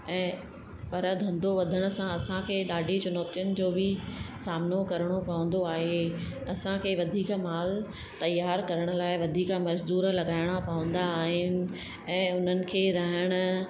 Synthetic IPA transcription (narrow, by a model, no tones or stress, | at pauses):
ɛ̃ː | pɐɾd̪ʱɐ̃nd̪oʋɐd̪ʱəɽ̃ʊ̆sãɐsãkʰeːɗaːɖʱit͡ɕʊnɔːt̪jʊnɪ̆d͡ʑoːbɪsaːmnokɐɾəɽ̃opɐʋə̃n̆d̪oaːɦe | ɐsãkʰeːʋɐd̪ʱiːkmaːl | t̪ɐjːaːɾkɐɾəɽ̃ʊ̆laːɪʋɐd̪ʱiːkmɐʃd̪uːɾlɐɠaːɪɽ̃apɐʋə̃nd̪aːɦɪnɪ̆ | ɛ̃ːʊn̤ənɪ̆kʰeːɾɐɦɪɽ̃ʊ̆